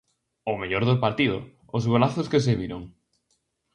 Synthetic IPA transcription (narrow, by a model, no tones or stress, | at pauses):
omeʎoɾðopaɾt̪iðʊ̰ | ʊzɣolaθʊskes̬eβiɾoŋ